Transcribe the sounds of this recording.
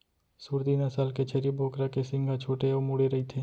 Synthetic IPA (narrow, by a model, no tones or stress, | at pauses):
suːɾd̪iːnasaːlket͡ʃʰɐɾibʱoːkɾakesɪ̃ŋɡʱat͡ʃʰoːʈeomuɽeɾɐit̪ʰeː